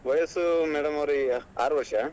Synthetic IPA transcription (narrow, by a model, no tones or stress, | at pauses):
ʋɐjɐsumɛːɽɐmɐʋɾiaːɾuʋɐɾʂɐ